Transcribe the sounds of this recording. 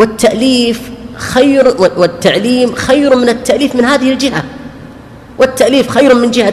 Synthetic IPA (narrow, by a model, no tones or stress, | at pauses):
wɪt̪ːaʔliːfxajwɪt̪ːaʕliːmxajɾmɪnɪt̪ːaʔliːfmɪnhaːðɪhɪld͡ʒɪɦa | wɪt̪ːaʔliːfxajɾmɪnd͡ʒɪha